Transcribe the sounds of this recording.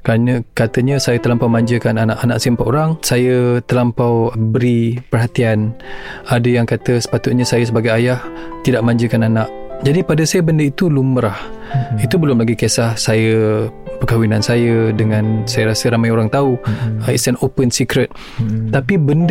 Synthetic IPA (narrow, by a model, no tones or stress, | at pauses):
kɾanəkat̪əɲəsajət̪əlampawmãɲd͡ʒəkananaʔanaʔsimpaʔoɾaŋsajət̪əlampawbəɾipərɦat̪ianadəjaŋkat̪əsə̥pat̪ʊt̪̚ɲəsajəsəbaɡajajaht̪idaʔmãɲd͡ʒəkananaʔd͡ʒadipadəsajəbəndəit̪uluməɾah | it̪ubəlʊmlaɡikesahsajəpəkawinansajədəŋansajəɾasəɾamajoɾaŋt̪auist̪ɛnopənsikɾət̪̚ | t̪ːapibənd